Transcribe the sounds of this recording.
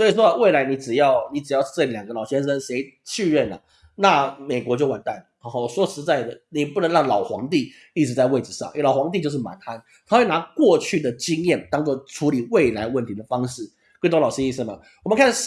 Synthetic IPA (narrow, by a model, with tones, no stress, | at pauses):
swɔ˥i˨˩ʂɔ˥˧we˥˩ɪla˧˥ɪni˧˥ʈ͡ʂɻ̩˨˩jɑ˥˧ʊni˧˥ʈ͡ʂɻ̩˨˩jɑ˥˧ʊ˥˧ʈ͡ʂɤ˥˩ljɑ˨˩ŋɡə˦lɑ˨˩ʊɕjɛ˥nʂə˧˥nʂe˧˥ɪt͡ɕʰy˥˧ɻɛ˥˩nlə̰˩ | na˥˩me˨˩ɪkwɔ˧˥t͡ɕjo˥˩ʊwa˨˩nt̪a˥˩nə˩˧˥swɔ˥ʂɻ̩˧˥t͡sa˥˩ɪd̪ə˩ni˨˩pu˥˩nə˧˥ŋɻɑ˥˩ŋlɑ˨˩ʊxwɑ̰˧˥ŋt̪i˥˨˩ | i˥˩ɻ̩˧˥t͡sa˥˧ɪwe˥˩ɪʈ͡ʂ̩˨˩ʂɑ̰˥˩ŋ˧˩lɑ˨˩ʊxwɑ˧˥ŋt̪̬i˥˧t͡ɕjo˥˧ʂɻ̩˥˩ma̰˨˥ntʰa˥n | t̪ʰa˥xwe˥˩na˧˥kwɔ˥˧t͡ɕʰy˥˩d̪ə˩t͡ɕi˥ŋjɛ˥˩nt̪ɑ˥ŋt͡swɔ˥˩ʈ͡ʂʰu˧˥li˨˩we˥˩ɪla˧˥ɪwə˥˩nt̪ʰi˧˥d̪ə˨˩fɑ˥ŋʂɻ̩˥˩ | k̪wt̪lɑ˨˩ʊɕi˥i˥˩s̩˥˩mɐ̰˨˩ | wɔ˨mə˨nkʰa˥˧˥